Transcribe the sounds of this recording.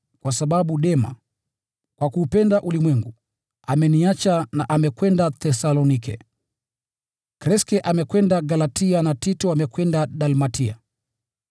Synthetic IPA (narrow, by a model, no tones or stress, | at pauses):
kwasaɓaɓuɗɛma̰ | kwakuːpɛndaʔulimwɛŋɡu | amɛniat͡ʃanaʔamɛkwɛndaθɛsalɔnikɛ̰ | kɾɛskɛʔamɛkwɛndaɡalatianatitɔamɛkwɛndaɗalmatʰia̰